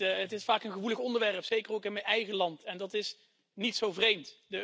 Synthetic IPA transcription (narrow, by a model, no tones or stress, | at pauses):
ətɪsfaːkənχəʋuləχɔndəɹʋɛrpsejkərowkɪnmɛnɛjχəlɑntɛndɑtɪs | nitsowvrejmtdə